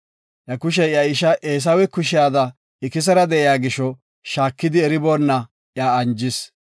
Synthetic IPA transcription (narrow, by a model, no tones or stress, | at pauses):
ʔjɐkʊʃ̬ɛjɐɪʃɐʔeːs̬ɐwɛkʊʃɪjaːd̪ɐ | ɪkɪs̬ɐɾɐd̪ɛʔɪjaːɡɪʃːɔ | ʃaːkːɪd̪ɪɛɾɪboːnːɐ | ʔjaːɐnd͡ʒɪs